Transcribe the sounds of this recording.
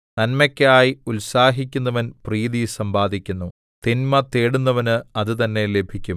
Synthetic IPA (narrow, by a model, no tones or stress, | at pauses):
nɐnmɐkʲːaːjiulsaːɦikʲːunːɐʋɐnpriːðisɐmbaːd̪ʱikʲːunːu | t̪inmɐt̪eːɽunːɐʋɐnɨɐðɨt̪ɐnːe̞le̞bʱikʲːum